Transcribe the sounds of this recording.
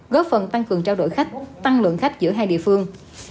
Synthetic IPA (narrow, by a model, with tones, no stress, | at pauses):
ɣɔ˦˥p̚fə˨˩nt̪a˧ŋkɨ˨˩əŋt͡ɕaː˧wɗo̰˧˨jxa˦˥jk̟̚t̪a˧ŋlwə̰˧˨nxa˦˥jk̟̚zɨ̰˧˥əɦaː˧jɗḭ˧˨əfɨ˧əŋ